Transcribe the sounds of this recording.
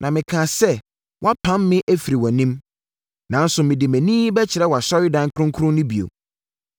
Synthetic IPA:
nʔã˨mɪ̃˨kʰã˨sɛ˦˨ | wʔa˦pʰã˦mːɪ̃˦ʔæ˦fi˨ɾi˨wɔ˨nĩ˦m | nã˨˦n̩˦sʊ˨mɪ̃˨dɪ˨mæ̃˨nĩː˦bɛ˦t͡ɕʰɪ˨ɾɛ˦wɔ˨a˨ɕɔ˦ɾɪ˦dã˦ŋ˦kʰɾʊ̃˦ŋ˦kʰɾʊ̃˦nʊ̃˦bi˨o̰˨

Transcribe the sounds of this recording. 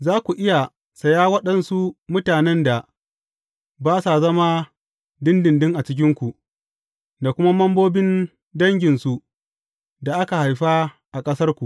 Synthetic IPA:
zaː˦kʷu˨ʔɪ˦ja˨ | sɐ˨jaː˦wɐ˦ɗɐ˨nsu˦mʊ˦taː˨nɛ˦nda˨ | baː˦sa˨zɐ˦ma˦ | dɪ˦ndɪ˨ndɪ˦ŋʔa˨t͡ʃɪ˦kʲɪ˦ŋkʷu˨ʔ | da˨kʷʊ˦ma˦mɐ˦mboː˦bɪ˦n | dɐ˦ŋɡʲɪ˨nsu˦ʔ | da˨ʔa˦ka˨ha˨jɸa˦ | ʔa˨kʼɐ˦sɐ˦rkʷu˨ʔ

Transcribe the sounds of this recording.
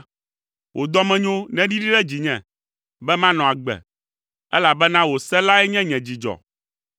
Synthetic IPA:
wʔo˨d̪ɔ˦mɛ̃˦ɲõ˦nɛ̃˦ɖi˦ɖi˦ɖɛ˦d͡ʑi˨ɲɛ̃˨ | bɛ˦mã˦nɔ̃˨a˨ɡ͡bɛ̰˨ | ɛ̰˦la˨bɛ˦nã˦wo˨sɛ˦la˦ɛ˦ɲɛ̃˦ɲɛ̃˨d͡ʑi˨d͡ʒɔ̰˨

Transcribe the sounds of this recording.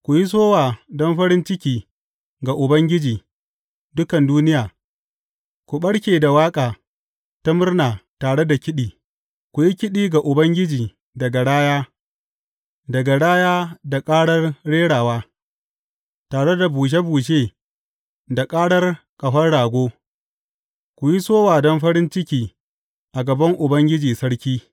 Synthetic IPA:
kʷʊ˨ji˦s̬oː˦waː˨dɔ˦mɸɐ˦ɽɪ˦nt͡ʃɪ˦kʲiː˦ | ɡa˨ʔʊ˨bɐ˦ŋɡʲɪ˦d͡ʒiː˨ | dʊ˦kɐ˨nduː˦nɪ˦jaː˨ | kʷu˨ɓɐ˦ɽkʲeː˨da˨waː˦kʼaː˨ | ta˦mʊ˦rnaː˨taː˨ɽe˦da˨kʲɪ˦ɗiː˨ | kʷʊ˨ji˦kʲɪ˦ɗiː˦ɡa˨ʔʊ˨bɐ˦ŋɡʲɪ˦d͡ʒiː˨ | dɐ˨ɡa˨ɽaː˦jaː˦ | dɐ˨ɡa˨ɽaː˦jaː˦da˨kʼaː˦ɽɐ˦rɽeː˦ɽaː˨waː˦ | taː˨ɽe˦da˨buː˨ʃ̬e˦buː˨ʃ̬eː˦ | da˨kʼaː˦ɽɐ˦r | kʼɐ˨ɸɐ˦rɽaː˨ɡʷoː˦ | kʷʊ˨ji˦soː˦waː˨dɔ˦mɸɐ˦ɽɪ˦nt͡ʃɪ˦kʲiː˨ | ʔa˨ɡɐ˨bɐ˦ŋʔʊ˨bɐ˦ŋɡʲɪ˦d͡ʒiː˨sɐ˦ɽkʲiː˦

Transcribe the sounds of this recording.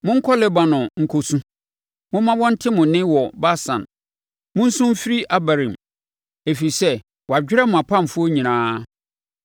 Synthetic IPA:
mʊ̃˦ŋ̩˦kʰɔ˦lɛ˦ba˨nʊ̃˨ŋ̩˨kʰo˦sũ˦ | mʊ̃˦mã˦wɔ̃˦n̩˦tʰɪ˦mʊ̃˨nɪ̃˦wɔ˨ba˦sã̰˨n | mʊ̃˦n̩˦sʊ̃˦m˦fi˦ɾi˦ʔa˨ba˨ɾɪ̃˨m˨ | e˨fi˨sɛ˦ | wɔ˨a˨d͡ʑᶣɪ˦ɾɛ˦mʊ̃˨a˨pʰã˦˨m˨fʊ˦o˦ɲĩ˨nãː˦

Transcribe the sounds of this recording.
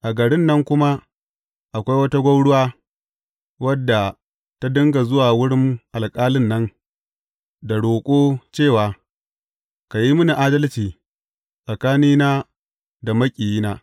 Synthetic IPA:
ʔa˨ɡɐ˨ɽɪ˦nːɐ˦ŋkʷʊ˦ma˦ | ʔa˨kʷa˦jwɐ˦ta˦ɡʷɐ˦wɽʊ˦waː˦ | wɐ˦dːa˨ | ta˦dʊ˦ŋɡa˨zʊ˦waː˨wʊ˦ɽɪ˦mʔa˨lkʼaː˦lɪ˦nːɐ˦ŋ | da˨ɽoː˨kʷʼoː˦t͡ʃeː˦˨waː˨ | ka˨ji˦mʊ˦ni˨ʔaː˦dɐ˦lt͡ʃiː˨ | ʔʼa˨kaː˦niː˦naː˦ | da˨mɐ˦kʲʼiː˨jiː˦naː˦

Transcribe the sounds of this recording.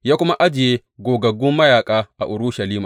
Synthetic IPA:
jaː˦kʷʊ˦ma˦ʔa˦d͡ʒɪ˨jeː˦ | ɡoː˨ɡɐ˨ɡʊ˦mːɐ˦jaː˨kʼaː˦ʔa˨ʔʊ˨ɾʊ˦ʃɐ˨liː˦maː˨

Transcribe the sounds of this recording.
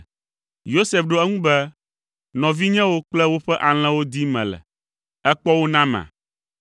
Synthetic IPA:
jo˦se˨fɖo˦ɛ˦ŋũ˦bɛ˦ | nɔ̃˨vi˦ɲɛ̃˦wo˦k͡plɛ˦wo˦ɸɛ˦ʔa˨l̃ɛ̃˦wo˦d̪i˦mɛ̰̃˨lɛ̰˨ | ɛ˦k͡pɔ˦wo˦nã˦mã̰˨

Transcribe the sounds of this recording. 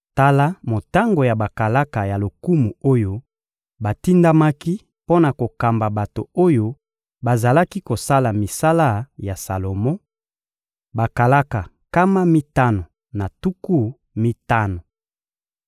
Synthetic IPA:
ta˦la˦mo˨ta˦ŋɡo˨ja˨ba˨ka˨la˦ka˨ja˨lo˨ku˦mu˨o˦jo˦ | ba˨ti˦nda˦ma˦ki˦ | po˦na˨ko˨ka˨mba˨ba˨to˨o˦jo˦ | ba˨za˨la˦ki˦ko˨sa˦la˨mi˨sa˦la˦ja˨sa˨lo˨mɔ˦ | ba˨ka˨la˦ka˨ | ka˦ma˦mi˦ta˦no˨ | na˨tu˦ku˦ | mi˦ta˦no˨

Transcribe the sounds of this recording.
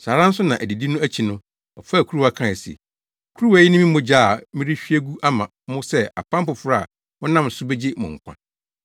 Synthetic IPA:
sa˨ɾã˦n̩˦sʊ˦nã˨ʔæ˨di˨di˦nʊ̃˦æ˦t͡ɕʰi˨nʊ̃˦ | ɔ˨fa˦˨kʰu˦ɾu˦a˦kʰã˦˨ɛ˨sḭ˨ | kʰu˦ɾu˦wa˦jɪ˦nɪ̃˦mĩ˦mʊ̃˦d͡ʑa˦˨mɪ̃˦ɾi˦ɕᶣi˦æ˦ɡu˦ʔa˦mã˨˦mʊ̃˦sɛ˦a̰˨pʰã˦m̩˦pʊ˨fʊ˦ɾa˦a̰˨ | wɔ˦nã˦˨m˨sʊ˦bɛ˦d͡ʑɪ˦mʊ̰̃˨ŋ̩˨kʷʰã̰˨

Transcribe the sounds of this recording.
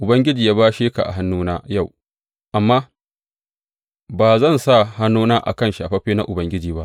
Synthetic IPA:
ʔʊ˨bɐ˦ŋɡʲɪ˦d͡ʒiː˨jaː˦baː˦ʃeː˦ka̰˨ʔa̰˨ɦa˦nːuː˦naː˦ja˦˨w | ʔa˨mːaː˦ | baː˨zɐ˦˨nsa˦˨ha˦nːuː˦naː˦ʔa̰˨kɐ˦˨nʃi˨ʔa˨ɸɐ˦ɸeː˦na̰˦ʔʊ˨bɐ˦ŋɡʲɪ˦d͡ʒiː˨ba˦ʔ

